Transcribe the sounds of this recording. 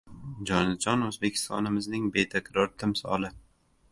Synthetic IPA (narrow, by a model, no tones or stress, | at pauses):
d͡ʒɒnɪd͡ʒɒnɵzbe̞kʲʰɪ̥st̪ʰɒ̰nɪmɪznɪŋbe̞t̪ʰakʲɾɒɾt̪ʰɪmsɒ̰lˠɪ